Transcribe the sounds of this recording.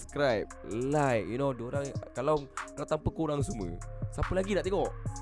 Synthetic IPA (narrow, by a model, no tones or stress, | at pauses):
skɾajp̚lajkjunodəoɾaŋkalawkəlat̪ampəkuɾaŋsumə̰sapəlaɡinaʔt̪eŋɔʔ